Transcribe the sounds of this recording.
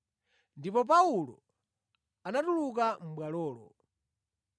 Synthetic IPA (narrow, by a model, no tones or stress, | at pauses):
ndipɔp̬aulɔ̰ | anatuluk̬am̩ɓwalɔːlɔ̰